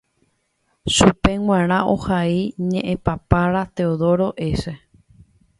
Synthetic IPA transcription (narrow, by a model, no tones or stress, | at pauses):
ʃupe̞ŋw̃ãɾ̃ãʔo̰haiɲẽʔẽpapaɾat̪e̞oðo̞ɾo̞ʔe̞se̞